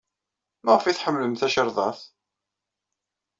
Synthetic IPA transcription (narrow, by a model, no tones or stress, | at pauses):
mæʁfiθħəmːləmθæʃəɾˤðˤɑθ